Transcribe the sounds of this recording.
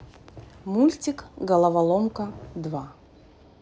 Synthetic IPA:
mulʲtʲikɡɐlˠɐvɐlˠɔmkɐd̪va

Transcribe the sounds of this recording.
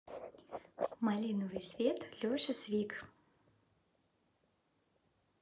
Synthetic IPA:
malʲinɔvɨjsʲvʲet̪lʲoʂɨsʲvʲik

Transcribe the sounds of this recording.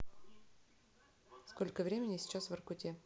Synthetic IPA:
skolʲkəvɾʲemʲɪnʲɪsʲɪ̥t͡ɕasvɐrkʊtʲe

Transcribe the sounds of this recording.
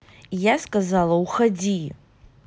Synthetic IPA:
jaskʼazalawxad͡zi

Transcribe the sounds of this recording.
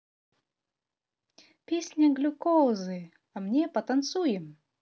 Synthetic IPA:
pʲesʲnʲɐɡlʲʊkozɨ | ɐmnʲepɐt̪ant̪sujɪm

